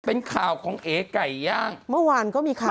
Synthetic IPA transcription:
pe˧nkʰaː˨˩wkʰɔː˨˩˦ŋʔeː˨˧ka˨˩jːaː˥˩ŋmɯ˥˩˨waː˧nkɔː˥˩miː˧kʰaː˨

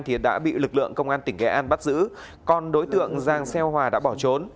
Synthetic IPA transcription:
nt̪ʰi˨˩ɗa̰ː˧˥ɓḭ˧˨lɨ˨˩k̚lɨ̰˧˨əŋkə˧wŋ͡mʔaː˧nt̪ï˧˩ŋkɛ̰˧˥ʔaː˧nɓt̚zɨ̰˧˥ | kɔ˧nɗo˨˦jt̪ɨ̰˧˨əŋzaː˨˩ŋsɛ˧whwaː˨˩ɗa̰ː˧˥ɓɔ˧˩t͡ɕo˨˦n

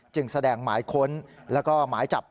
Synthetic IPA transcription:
t͡ɕɯ˧˩ŋsa˧dɛː˧ŋma̰ː˩˦jkʰo˦˥nlɛː˦˥wkɔː˥˩maː˩˦jt͡ɕa˨˩p̚

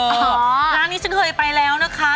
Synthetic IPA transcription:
ɔ˦ɾaː˧ŋnːiː˦˥sɯ˦˥ɦəː˧˩jpa˧jlɛː˦˥wna˦kʰa˦

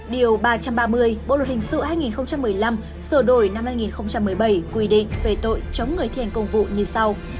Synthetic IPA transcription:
ɗi˨˩əwɓaː˧t͡ɕa˧mɓaː˧mɨ˧əjɓo̰˧˨lə˨˩t̚hï˨˩ŋ̟sɨ̰˧˨haː˧jŋi˨˩nxə˧wŋ͡mt͡ɕa˧mːɨ˨˩əjla˧m | səː˧˩ɗo˧˩jna˧mhaː˧jŋi˨˩nxə˧wŋ͡mt͡ɕa˧mːɨ˨˩əjɓə˧˩jkwi˧˩ɗḭ̈˧˨ŋ̟ve˨˩t̪o̰˧˨jt͡ɕə˨˦wŋ͡mŋɨ˨˩əjt̪ʰi˨˩ŋkə˧wŋ͡mvṵ˧˨ɲɨ˧sa˧w

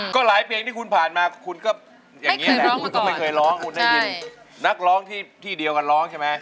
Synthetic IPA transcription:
kɔː˥˩laː˨˩˦jpʰi˧ŋt̪ʰiː˥˩kʰu˧npʰaː˨˩nmaː˧kʰu˧nkɔː˥˩ | jaː˨˥ŋːi˦˥ɐ˨lɛ˦kʰu˧nkɔː˥˩ma˥˩jkʰɤː˧jɾɔː˦˥ŋkʰu˧nda˥˩i˧ | na˦˥k̚ɾɔː˦˥ŋt̪ʰiː˥˩t̪ʰiː˥˩di˧əwka˧nɾɔː˦˥ŋt͡ɕʰɛ˥˩ma˦˥

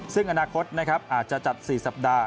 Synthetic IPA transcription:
sɯ˥˩ŋʔa˧naː˧kʰo˦˥t̪̚na˦˥kʰɾa˦˥pʔaː˨˩t̪̚t͡ɕa˨˩t͡ɕa˨˩t̪̚siː˨˩sa˨˩p̚daː˧

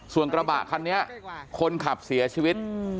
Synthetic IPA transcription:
su˨˩ənkɾa˧ba̰˨˩ʔkʰa˧nːi˦˥ɐkʰo˧nkʰa˨˩p̚si˩˦ɐt͡ɕʰiː˧wi˦˥t̪̚

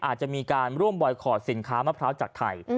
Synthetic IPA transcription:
ʔaː˨˩t͡ɕa˨˩miː˧kaː˧nɾu˥˩əmbɔ˨˧˩jkʰɔː˨˩si˨˩˦nkʰaː˦˥maː˥˩pʰɾaː˦˥wt͡ɕaː˨˩k̚t̪ʰa̰˧j

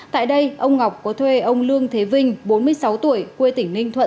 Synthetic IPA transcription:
t̪a̰ː˧˨jɗə˧jʔə˧wŋ͡mŋa˨˩wk͡p̚kɔ˨˦t̪ʰwe˧ʔə˧wŋ͡mlɨ˧əŋt̪ʰe˨˦vï˧ŋ̟ɓo˨˦nmɨ˧əjsa˨˦wt̪u˧˩əjkwe˧t̪ï˧˩ŋ̟nï˧ŋ̟t̪ʰwə̰˧˨

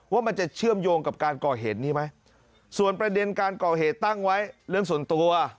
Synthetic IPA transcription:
waː˥˩ma˧nt͡ɕa˨˩t͡ɕʰɯ˥˩əmjoː˧ŋka˨˩p̚kaː˧nkɔː˨˩ɦeː˨˩t̪̚niː˥˩ma˦˥j | su˨˩ənpɾa˧de˧nkaː˧nkɔː˨˩ɦeː˨˩t̪ːa˥˩ŋwa˦˥jɾɯ˥˩əŋsu˨˩˦ənt̪u˧əɐ

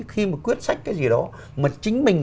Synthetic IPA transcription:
xi˧maː˨˩kwi˦˥ət̚sa˦˥jk̟̚kaː˨˦jzi˨˩ɗɔ˨˦ | maː˨˩t͡ɕï˨˦ŋ̟mï˨˩ŋ̟

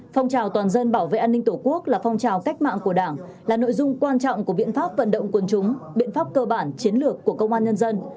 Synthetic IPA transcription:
fɔ˧wŋ͡mt͡ɕaː˨˩wt̪waː˨˩nzə˧nɓaː˧˩wvḛ˧˨ʔaː˧nːï˧ŋ̟t̪o˧˩ku˦˥ək̚laː˨˩fɔ˧wŋ͡mt͡ɕaː˨˩wka˦˥jk̟̚ma̰ː˧˨ŋku˧˩əɗaː˧˩ŋ | laː˨˩no̰˧˨jzʊ˧ŋ͡mkwaː˧nt͡ɕɔ̰˧˨wŋ͡mku˧˩əɓḭ˧˨ənfaː˦˥p̚və˧˨nɗə̰˧˨wŋ͡mku˨˩nt͡ɕʊ˨˦ŋ͡mɓḭ˧˨ənfaː˦˥p̚kəː˧ɓaː˧˩nt͡ɕi˨˦ənlɨ˨˩əkːu˧˩əkə˧wŋ͡mʔaː˧nɲə˧nzə˧n

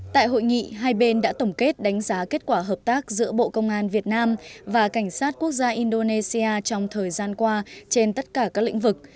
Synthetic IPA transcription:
t̪a̰ː˧˨jɦo̰˧˨jŋḭ˧˨ɦaː˧jɓe˧nɗa̰ː˧˥t̪ə˧˩wŋ͡mke˦˥t̚ɗa˨˦jŋ̟zaː˨˦ke˦˥t̚kwaː˧˩ɦəː˨˩p̚t̪aː˦˥k̚zɨ̰˧˥əɓo̰˧˨kə˧wŋ͡mʔaː˧nvi˨˩ət̚naː˧mvaː˨˩ka˧˩ŋ̟saː˦˥t̚ku˦˥ək̚zaː˧ʔi˧nɗo˧ne˧si˧aː˧t͡ɕɔ˧wŋ͡mt̪ʰəː˨˩jzaː˧nkwaː˧t͡ɕe˧nt̪ə˦˥t̚kaː˧˩kaː˦˥k̚l̰ḭ˧˥ŋ̟vɨ˨˩k̚

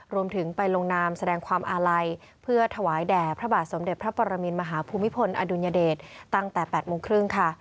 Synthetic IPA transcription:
ɾu˧əmt̪ʰɯ˩˦ŋpa˧jlo˧ŋnaː˧msa˧dɛː˧ŋkʰwaː˧mʔaː˧ɾa˧j | pʰɯ˥˩ɐt̪ʰa˧waː˩˦jdɛː˨˩pʰɾa˦˥baː˨˩t̪̚so˩˦mde˨˩t̪̚pʰɾa˦˥pʰɔ˧ɾa˧miː˧nma˧ɦaː˩˦pʰuː˧mːi˦˥pʰo˧nʔa̰ː˧duː˧njaː˧deː˨˩t̪̚ːa˥˩ŋt̪ɛː˨˩pɛː˨˩t̪̚moː˧ŋkʰɾɯ˥˩ŋkʰa˥˩

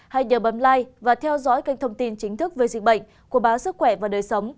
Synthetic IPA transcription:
ha˧jɲəː˨˩ɓə˨˦nlaː˧jvaː˨˩t̪ʰɛ˧wzɔ̰˧˥jka˧j̟̚t̪ʰə˧wŋ͡mt̪i˧nt͡ɕï˨˦ŋ̟t̪ʰɨ˦˥k̚veː˨˩zḭ˨k̚ɓə̰˧˨jŋ̟ | ku˧˩əɓaː˨˦wsɨ˦˥k̚xwɛ˧˩vaː˨˩ɗəː˨˩jsə˨˦wŋ͡m

